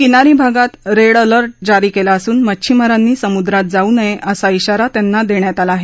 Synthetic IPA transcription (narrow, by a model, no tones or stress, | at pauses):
kinaɾiːbʱaɡat̪ɾeɽələɾʈ̚d͡ʑaɾiːkelaəsuːnmət͡ɕʰimaɾanːiːsəmud̪ɾat̪̚d͡zauːnəjeʔəsaiɕaɾat̪janːad̪eɳjat̪alaaːɦe